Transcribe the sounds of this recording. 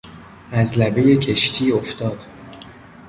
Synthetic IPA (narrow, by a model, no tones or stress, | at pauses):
æzlæbejecʰeʃt̪ʰiːoft̪ɒːd̪̥